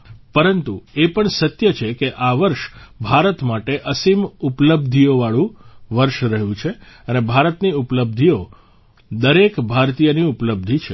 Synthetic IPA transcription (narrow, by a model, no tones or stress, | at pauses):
pəɾənt̪ṵepəɳsət̪jət͡ʃʰekeʔaʋəɾʃbʱaɾət̪maʈeʔəsimupləbd̪ʱijoʋaɭũʋəɾʃɾəɦjũt͡ʃʰeənebʱaɾət̪niupləb̚d̪ʱijo | d̪əɾekbʱaɾt̪ijəniupləb̚d̪ʱit͡ʃʰe